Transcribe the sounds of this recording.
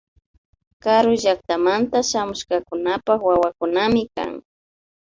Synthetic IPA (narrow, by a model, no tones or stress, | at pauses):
kaɾʊʒak̚t̪amant̪aʃamʊʃkakʊnapakwawakʊnamɪka̰ŋ